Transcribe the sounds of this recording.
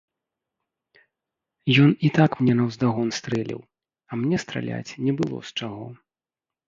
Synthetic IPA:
jɔnit̪akmnʲɛnɐwzd̪aɣɔnst̪ɾɛlʲḭw | ɐmnʲɛst̪ɾa̰lʲa̰t͡sʲnʲɛbɨlˠɔ̰st͡ʂaɣɔ

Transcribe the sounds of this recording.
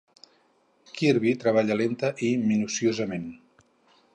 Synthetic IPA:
kiɾβit̪ɾəβ̞aʎəlent̪əʔiminusiozəmen

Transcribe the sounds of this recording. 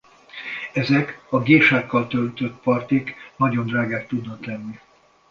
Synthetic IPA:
ɛzɛkɒɡeːʃaːkːɒlt̪ølt̪ø̞t̪̚pɒrt̪iknɒɟond̪raːɡaːkt̪ud̪nɒklɛnːi

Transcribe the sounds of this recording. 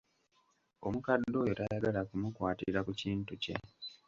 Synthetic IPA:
o̞̰mukadːo̞ːjotajaɡalakumukwaːtḭɾakuciːntuce̞̰

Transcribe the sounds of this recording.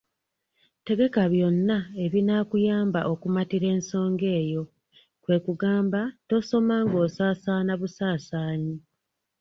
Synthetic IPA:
te̞ɡe̞kaβjo̞nːae̞βinaːkujaːmbaʔo̞kumatiɾe̞ːnso̞ːŋɡe̞ːjo̞ | kwe̞ːkuɡaːmbato̞so̞maːŋɡo̞ːsaːsaːnaβusaːsaːɲi

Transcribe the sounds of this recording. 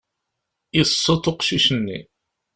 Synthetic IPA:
isˤːot̪ˤoqʃiʃənːḭ

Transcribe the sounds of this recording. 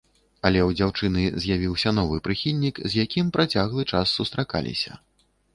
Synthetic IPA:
ɐlʲɛwd͡zʲawt͡ʂɨnɨzʲjavʲiwsʲɐnɔvɨpɾɨxʲilʲnʲikzjakʲimpɾʔat͡sʲaɣlˠɨt͡ʂasːust̪ɾaka̰lʲḭsʲɐ̰

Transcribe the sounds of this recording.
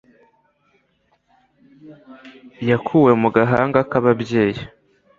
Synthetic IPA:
jakʰuwe̞muɡaɦaːŋɡakaβabje̞ːji

